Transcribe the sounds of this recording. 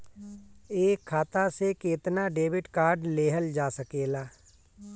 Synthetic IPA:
eːkʰːaːt̪asekeːt̪naɖeːʋɪʈkaːɾɖleːɦəld͡ʒaːsəkeːlaː

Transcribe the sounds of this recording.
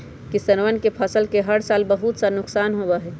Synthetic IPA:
kisɐnʋənkepʰɐsəlkeɦɐɽsaːlbəɦut̪sanʊksaːnɦobaɦɛː

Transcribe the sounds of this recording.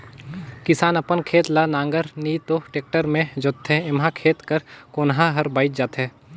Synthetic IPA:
kɪsaːnɐpənkʰeːt̪lanãːŋɡəɾniːt̪oʈeːk̚ʈəɾmẽd͡ʒʊt̪ʰːɛ̃ɪmɦãkʰeːt̪kəɾkoːnɦãɦɐɾbaːɪt̪d͡ʒaːt̪ɦɛː

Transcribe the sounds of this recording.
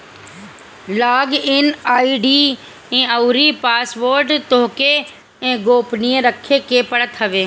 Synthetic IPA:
laːɡɪnaːiːɖiː | ẽːəuɾipaːsʋoːɾɖt̪oɦke | ẽːɡoːpnijẽɾəkʰːekepəɽət̪ɦəʋeː

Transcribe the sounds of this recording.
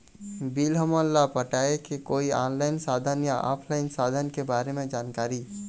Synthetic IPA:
biːlɦəməlːapəʈaːekekoːiaːnlaːɪnsaːd̪ʱənjaʔɔ̰ːpʰlaːɪnsaːd̪ʱənkebaːɾemẽd͡ʒaːnkaːɾi

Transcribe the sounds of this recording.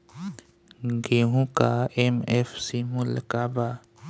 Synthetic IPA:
ɡeːɦũkaemefsimulkaba

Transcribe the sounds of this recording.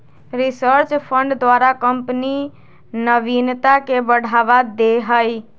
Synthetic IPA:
ɾisəɾt͡ʃpʰəɳɖd̪waɾakəmpni | nəbint̪akebəɽ̤abad̪eɦəj

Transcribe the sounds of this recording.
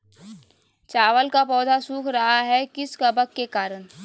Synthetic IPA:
t͡ʃaːʋəlkapɔːd̪ʱasuːkʰɾɐɦaɦɛkɪskɐbəkːekaːɾən

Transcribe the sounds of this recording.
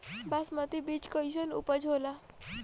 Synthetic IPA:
basmət̪ibit͡ɕkəjɕ̬ənṵpəd͡ʑʱɦola

